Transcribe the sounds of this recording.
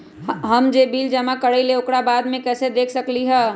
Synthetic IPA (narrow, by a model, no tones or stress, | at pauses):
ɦəmd͡ʒebiːld͡ʒəmakəɽəileʊkɽabaːd̪mẽkɛːsed̪eːkʰsəkliɦɛː